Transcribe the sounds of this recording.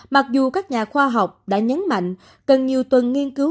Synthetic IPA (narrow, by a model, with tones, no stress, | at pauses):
ma˨˩k̚zu˨˩kaː˦˥k̚ɲaː˨˩xwaː˧ɦa˨˩wk͡p̚ɗa̰ː˧˥ɲə˨˦nma̰˧˨jŋ̟ | kə˨˩nɲi˨˩əwt̪wə˨˩nŋi˧ənkɨ˨˦